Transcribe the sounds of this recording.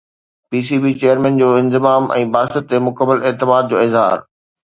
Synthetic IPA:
piːs̬iːbiːt͡ɕeːjəɾmɛ̃ːnd͡ʑoːɪ̃nzɪmaːmʔɛ̰̃ːbaːsət̪ːemʊkəmːəleːt̪ɪmaːd̪̚d͡ʑoːɪzɦa̰ːɾ

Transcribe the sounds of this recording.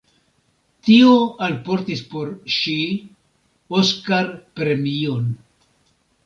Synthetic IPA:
tioalpo̞ɾtispo̞ɾʃi | oskaɾpɾe̞mio̞n

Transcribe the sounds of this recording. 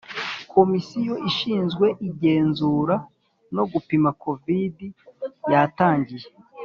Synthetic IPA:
kʰo̞misijo̞ʔiʃiːnzɡwe̞ʔiɟe̞ːnzuːɾa | no̞ɡupimako̞vidijataːɲɟije

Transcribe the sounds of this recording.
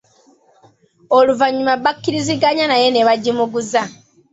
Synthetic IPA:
oluvaɲːumaβːakːiɾiziɡaɲanaje̞neβaɟːimuɡuza

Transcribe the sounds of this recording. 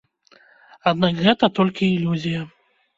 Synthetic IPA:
ad̪nakɣɛt̪ɐt̪ɔlʲkʲiːlʲuzʲijɐ

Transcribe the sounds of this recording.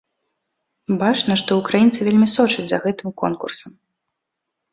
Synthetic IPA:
bat͡ʂnɐʂt̪ɔukɾajint̪sɨvʲelʲmʲisɔt͡ʂɐd͡zʲzɐ̰ɣɛt̪ɨmkɔnkṵrsɐm

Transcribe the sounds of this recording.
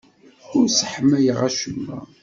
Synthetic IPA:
ʊɾsəħmːæjəʁæʃəmːæ̰

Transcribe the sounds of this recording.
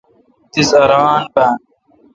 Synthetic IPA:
t̪isɐɾaːnbaːn

